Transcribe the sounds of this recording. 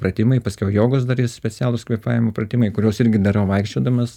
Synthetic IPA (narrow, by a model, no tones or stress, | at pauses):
prɐt̪ʲɪmɐɪpɐsʲkʲɛʊjoːɡos̬d̪ɐɾissʲpʲɛt͡sʲæːlˠʊskʋʲiɛpɑːjʲɪmoːprɐt̪ʲɪmɐɪkʊɾʲoːsɪɾʲɡʲɪd̪ɐrɐʋɐɪkʃʲt͡ʃʲoːd̪ɐmɐs